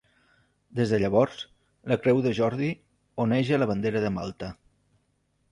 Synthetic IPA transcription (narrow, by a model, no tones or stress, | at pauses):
d̪ezðəʎəβ̞ɔɾs | ləkɾɛwðəʒɔɾði | oneʒələβənd̪eɾəðəmalˠt̪ə